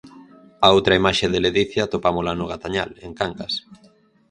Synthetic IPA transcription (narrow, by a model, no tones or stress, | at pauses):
aowt̪ɾɐimaʃeðeleðiθjat̪opamʊlanʊɣat̪aɲaleŋkaŋkas